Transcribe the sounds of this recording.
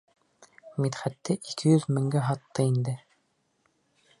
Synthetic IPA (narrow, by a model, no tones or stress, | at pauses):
mit̪χæt̪ːɘʔikʰɘjɵðmɘ̆ŋɡæɦɑt̪ːɤind̪ɘ